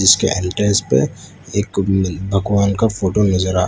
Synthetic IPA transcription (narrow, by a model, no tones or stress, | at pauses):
ɪskḛʔɛ̃ːɳʈeːzpḛ | eːkbʱɐɡʋaːnkafʰoːʈonɐzəɾa̰ː